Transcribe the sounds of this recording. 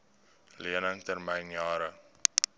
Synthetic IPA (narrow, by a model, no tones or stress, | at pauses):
liənəŋtərmɛjnjɑːɾə